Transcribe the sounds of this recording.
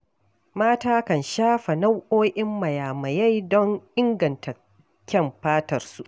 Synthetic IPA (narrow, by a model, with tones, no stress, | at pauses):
maː˦taː˦kɐ˨nʃaː˦ɸɐ˨na˦wʔoː˦ʔɪ˦mːɐ˨jaː˨mɐ˨ja˦jdɔ˦ŋʔɪ˦ŋɡɐ˨ntʰa˨ | kʲɐ˦˨mɸaː˦tɐ˨rsu˦ʔ